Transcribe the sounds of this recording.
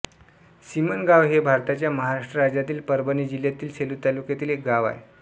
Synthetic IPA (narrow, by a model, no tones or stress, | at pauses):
ɕimənɡaʋɦebʱaɾt̪at͡ɕjaməɦaɾaʂʈɾəɾad͡ʑat̪iːlpəɾbənid͡ʑiljat̪iːlseluːt̪alukjat̪iːlek̚ɡaʋa̰e